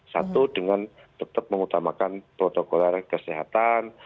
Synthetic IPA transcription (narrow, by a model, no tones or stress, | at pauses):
sa̰t̪udəŋan | t̪ət̪əp̚məŋut̪amakanpɾot̪okolarkəsiɦa̰t̪an